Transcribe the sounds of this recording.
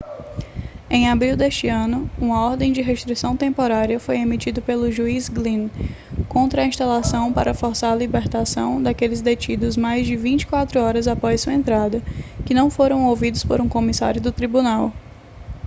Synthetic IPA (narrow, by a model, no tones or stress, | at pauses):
ẽj̃abɾiwd̪est͡ʃɪɐ̃nʊũmɐɔɾd̪ẽj̃d͡ʒɪɦest̪ɾisɐ̃w̃t̪ẽmpoɾaɾiɐfojemit͡ʃid̪ʊpelʊʒuizɡlĩn | kõnt̪ɾɐĩst̪alasɐ̃w̃pa̰ɾɐfoɾsaɾɐlibeɾt̪asɐ̃w̃d̪akelɪzd̪et͡ʃid̪ʊzmajzd͡ʒɪvĩt͡ʃɪ̥kwat̪ɾʊɔɾɐzapɔssuɐẽnt̪ɾad̪ɐkɪnɐ̃w̃foɾɐ̃w̃owvid̪ʊspoɾũkõmisa̰ɾjʊd̪ʊt̪ɾibũnaw